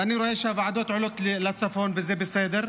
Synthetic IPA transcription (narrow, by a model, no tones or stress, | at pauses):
ʔaniɾoʔeːʃhavɪʕad̪oːt̪ʕʊlokllat͡sːafoːnvɪzeːbɪseːd̪ɪɾ